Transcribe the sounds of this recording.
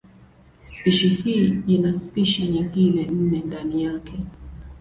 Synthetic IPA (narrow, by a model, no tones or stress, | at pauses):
spiʃihiːinaspiʃaɲiŋɡilɛn̩nɛndanijakʰɛ